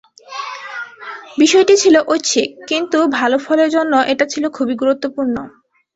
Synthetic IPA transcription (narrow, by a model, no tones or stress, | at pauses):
biʃɔeʈit͡ɕʰiloʔotːɕʰekint̪ubʱalofʰɔleɾd͡ʑonːoʔeʈat͡ɕʰilokʰubiɡuɾut̪ːopuɾno